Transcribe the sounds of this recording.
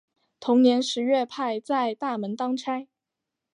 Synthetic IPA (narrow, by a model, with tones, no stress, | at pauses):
t̪ʰʊ˧˥ŋnjɛ˧˥nʂɻ̩˧˥ɥɛ˥˧pʰa˥˧ɪt͡sa˥˧ɪt̪a˥˩mə˧˥nt̪ɑ˥ŋʈ͡ʂʰa˥ɪ